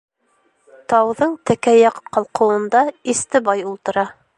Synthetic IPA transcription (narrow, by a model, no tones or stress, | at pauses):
t̪ɑwðɤɴt̪ækæjɑqqːɑlˠqɤ̆wɤ̆nd̪ɑist̪ɘ̆bɑjulˠt̪ɤ̆ɾɑ